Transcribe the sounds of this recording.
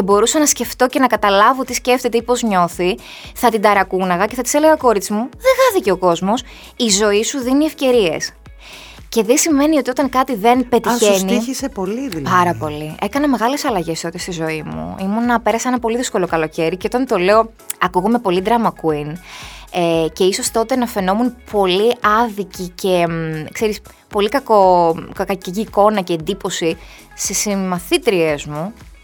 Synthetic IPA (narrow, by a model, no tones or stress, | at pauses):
ebo̞ɾusɐnɐsce̞ft̪o̞ce̞nɐkɐt̪ɐlɐvo̞t̪isce̞ft̪e̞t̪eipo̞zɲo̞θi | θɐt̪id̪ɐɾɐkunɐɣɐce̞θɐt̪ise̞le̞ɣɐko̞ɾit͡simuðeɣɐθice̞o̞ko̞zmo̞s | izo̞isuðinie̞fce̞ɾie̞̰s | ce̞ðesime̞nio̞t̪io̞t̪ɐŋkɐt̪iðe̞npe̞t̪içeniçisepo̞liðpɐɾɐpo̞lie̞kɐnɐme̞ɣɐle̞sɐlɐʝe̞st̪ot̪est̪izo̞imṵimunɐpe̞ɾɐseenɐpo̞liðisko̞lo̞kɐlo̞ce̞ɾice̞o̞t̪ɐnt̪o̞le̞o̞ | ɐkuɣome̞po̞lid̪ɾɐmɐkuinece̞iso̞st̪o̞t̪e̞nɐfe̞no̞munpʰo̞liɐðicice̞kse̞ɾis | po̞likɐko̞kɐcciːko̞nɐce̞ːnd̪ipo̞si | st̪isimɐθit̪ɾiezmu